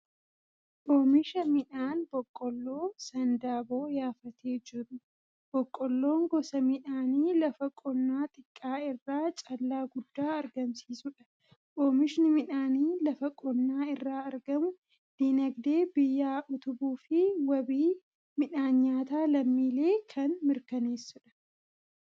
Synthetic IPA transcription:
ʔoːmɪʃɐmɪᶑaːnbɔkʼːɔlːoːsɐnd̪aːbo̞ːjaːfɐt̪ʰeːd͡ʒɪɾʊ | b̥ɔkʼːɔlːo̞ːŋɡɔsɐmɪᶑaːniːlɐfɐkʼɔnːaːt̪ʼɪkʼːaːɪrːaːt͡ʃʼɐlːaːɡʊd̪ːaːɐɾɡɐmsiːsʊᶑɐ̥ | kʼoːmɪʃɪnɪmɪᶑaːniːlɐfɐkʼɔnːaːɪrːaːɐɾɡɐmʊ | d̪̥inɐɡd̪e̞ːbɪjːaːʔʊt̪ʊbuːfɪwɐbiː | mɪᶑaːɲːaːt̪aːlɐmːiːle̞ːkʰɐnmɪɾkɐneːsːʊᶑɐ̥

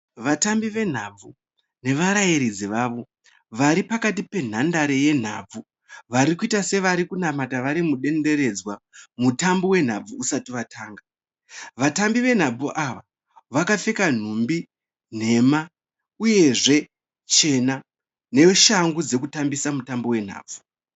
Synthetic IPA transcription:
ʋatambiʋe̞n̤ab͡vu | ne̞ʋaɾajiɾid͡ziʋaːʋo̞ | ʋaɾipakatipe̞n̤andaɾeje̞n̤a̰ːb͡vu | ʋaɾikuitase̞ʋaɾikunamataʋaɾimuɗe̞nde̞ɾe̞d͡zwamutambowe̞n̤ab͡vuːsatiʋatʰaːŋɡa | ʋatambiʋe̞n̤ab͡vuʔaʋa | ʋakafe̞kan̤umbi | n̤e̞ma | uje̞ʐe̞ | t͡ʃe̞na | ne̞ʃaŋɡud͡ze̞kutambisamutambo̞we̞n̤a̰ːb͡vu

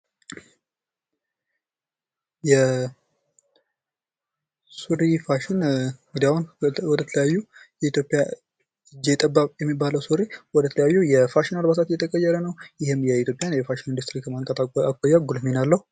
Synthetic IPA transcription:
jɛ | suɾifaʃɪnŋɡɨd̪iahunwɔd̪ət̪ʰələjajːujɛit̪ʰjo̞pʼːja | ɨd͡ʒːet̪ʼəbːaβjɛmːibːaləwsuɾiwɔd̪ət̪ʰələjajːujɛfaʃɪnaɾbasʰat̪jɛt̪ʰəkʼəjːɛɾənəwjɪhɪmjɛit̪ʰjo̞pʼjanjɛfaʃɪnind̪ust̪ɾikʰəmaŋkʼət̪akʼːojːaɡulminalːəhu

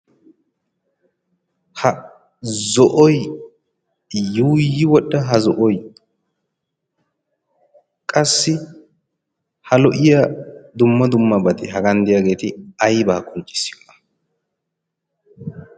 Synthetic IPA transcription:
hɐ | zɔʔɔj | juːjɪwɔɗːɐɦɐzɔʔɔj | kʼɐsːɪ | hɐlɔʔɪjad̪ʊmːɐd̪ʊmːɐbɐt̪ɪɦɐɡɐnd̪ɪjaɡe̞ːt̪ɪɐjbaːkʼɔnt͡ʃʼːɪ̥sːɪjɔʔɐ̥

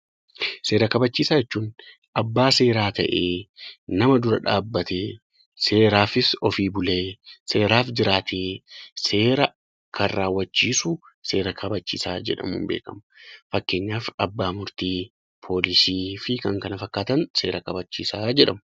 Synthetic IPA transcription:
se̞ːɾɐkɐbɐt͡ʃːiːsaːjɛt͡ʃːuːn | ʔɐbːaːse̞ːɾaːt̪ɐ̰ʔeːnɐmɐd̪ʊɾɐᶑaːbːɐt̪eː | seːɾaːfɪsɔfiːbʊleːse̞ːɾaːfd͡ʒɪɾaːt̪ʰeːse̞ːɾɐ | kʰɐrraːwːɐt͡ʃːiːsʊ | se̞ːɾɐkʰɐbɐt͡ʃːḭːsaːd͡ʒɛ̰ᶑɐ̰mṵːmbḛːkɐmʊfɐkːe̞ːɲːaːfɐbːaːmʊɾt̪iː | pʰo̞ːlɪsiːfɪkɐŋkɐnɐfɐkːaːt̪ɐnse̞̰ːɾɐkɐbɐt͡ʃːḭːsaːd͡ʒɛᶑɐm

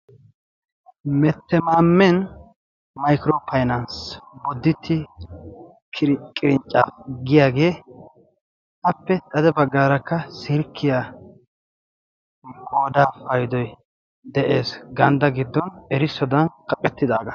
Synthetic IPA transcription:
mɛt̪ːɛmaːmːɛn | mɐjkɪɾoːpʰɐjnɐnsbɔd̪ːɪt̪ʰːɪ | kʰɪɾkʼɪɾɪnt͡ʃʼːaːfɡɪjaːɡe̞ː | ʔɐpːɛt̪ʼɐd̪ɛbɐɡːaːɾɐkːɐsɪɾkʰːɪja | ɡoːd̪aːfɐjd̪ɔj | d̪ɛʔe̞ːsɡɐnd̪ɐɡɪd̪ːɔnɛɾɪsːɔd̪ɐnkʼɐkʼɛt̪ːɪd̪aːɡɐ

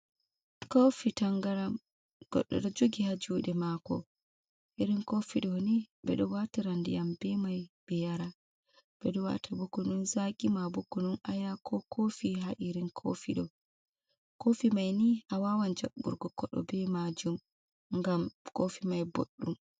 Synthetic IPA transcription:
kofitaŋɡaɾam | ɡ̥ɔ̰ɗːɔ̰ɗɔd͡ʒoɡihad͡ʒuːɗɛmakɔ̰ | ʔiɾinkofiɗɔnibɛ̰ɗɔwatiɾandijambɛmajb̥ɛjaɾa | b̥ɛɗɔwa̰tabukːununzaɡimabukːunɔnʔajakʰɔkʰofiɦaʔiɾinkʰo̰fiɗɔ | kofimajniʔawawand͡ʒaɓːṵɾɡɔkːɔɗɔ̰bɛmad͡ʒum | ŋɡamkofimajbo̰ɗːum

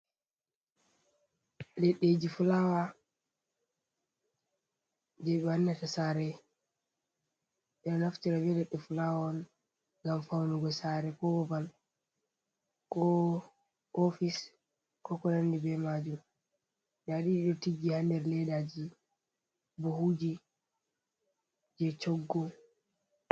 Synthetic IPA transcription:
lɛɗːed͡ʒifulawa | d͡ʒɛanːatasaːɾɛ | ʔɛnɔnaftiɾabɛlɛɗːɛfulawɔn | ɡamfawnuɡɔsaɾɛkɔbɔbal | kɔ | ʔofis | kɔkɔlandibɛmaːd͡ʒum | daɗiɗɔtiɡːihandɛɾlɛdad͡ʒi | buhuːd͡ʒi | d͡ʒɛt͡ʃɔɡːɔ

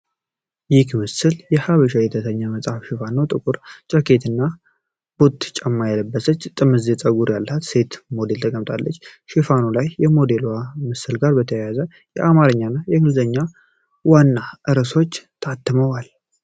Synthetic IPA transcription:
jɪkmɨsɨljɛhaβəʃajɛt̪ʰəsəɲːaməsʼafʃɪfano̞t̪ʼɨkʼuɾt͡ʃʼəke̞t̪ɨnːa | b̥ot̪ːt͡ʃʼəmːajaləbːəsət͡ʃːt̪ʼɨmɨzet͡sʼəɡuɾjalːəat̪se̞t̪mo̞d̪e̞lt̪ʰəkʼəmt̪ʼalːət͡ʃːʃɪfanolajːɛmo̞d̪e̞loamɨsɨlɡaɾbət̪ʰəjjazə | jɛʔamaɾɨɲːanːajɛɡɨlzəɲːa | wanːaʔɨɾəso̞t͡ʃːt̪ʰat̪ʰːɨməwal

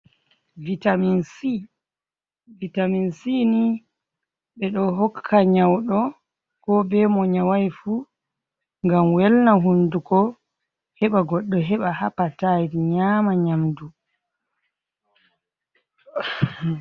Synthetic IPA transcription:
vitaminsi | vitaminsini | ɓɛɗɔɦɔkʰːaɲawɗɔ | kɔbɛmɔɲawajfu | ŋɡamwɛlnaɦundukɔ | hɛɓaɡɔɗːɔɦɛɓahapatadiɲaːmaɲamdu

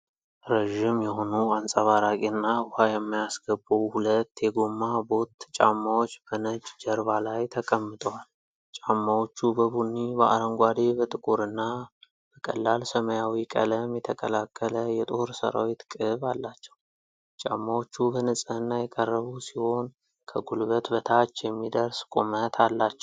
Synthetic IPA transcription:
ɾəʒɪmjɛho̞nuansʼəβaɾakʼinːabʊhajɛmːajasɡəbːuwhulət̪ːjɛɡomːabo̞t̪t͡ʃʼamːawo̞t͡ʃːb̥ənət͡ʃʼːd͡ʒəɾβalajt̪ʰəkʼəmːɨt̪ʼəwal | t͡ʃʼamːawo̞t͡ʃːubəbunːibəʔa̰ɾəŋɡʷad̪ebət̪ʼɨkʼuɾɨnːa | bəkʼə̰lːalsəməjawikʼə̰ləmjɛt̪ʰəkʼəlakʰʼːələjɛt̪ʼoɾsə̰ɾa̰wit̪kʼɨβalːat͡ʃːɛ̥w | t͡ʃʼa̰mːawo̞t͡ʃːubənɨsʼɨhɨnːajɛkʼərːəβusiho̞n | kʰəɡulβət̪bət̪ʰat͡ʃːjɛmːid̪əɾskʼomət̪ʰalːat͡ʃːɛw

